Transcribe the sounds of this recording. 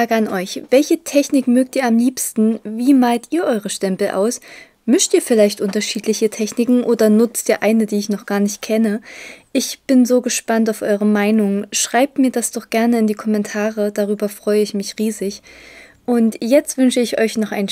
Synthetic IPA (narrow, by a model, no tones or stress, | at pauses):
aːɡəanʔɔʏçv̥ɛlçətʰɛçnɪkmøːk̚tiːɐamliːpstn̩viːmaːltʔiːɐʔɔʏʁəʃtɛmpl̩ʔa̰ʊs | mʏʃtʔiːɐfɪlaɪçtʔʊntɐʃiːtʰlɪçətʰɛçnɪkŋ̩ʔoːdɐnʊt͡stʔiːɐʔaɪnədiːɪçnɔχɡ̥aːɐnɪçt̚kʰɛnəʔɪçb̥ɪnzoːɡəʃpantaʊfʔɔʏʁ̞əmaɪnʊŋʃʁ̥aɪp̚tmiːɐdasd̥ɔχɡ̥ɛɐnəɪndiːkʰɔmɛntʰaːʁəd̥aʁyːbɐfʁ̥ɔʏəɪçmɪçʁiːzɪç | ʔʊntjɛt͡stv̥ʏnʃəɪçʔɔʏçnɔχʔa̰ɪn